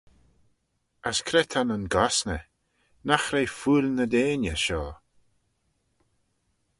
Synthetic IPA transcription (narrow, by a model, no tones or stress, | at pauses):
askʰɾɛt̪ʰananɡɔsnə | naxɾejfuːlʲnəd̪eːna̰ʃɔː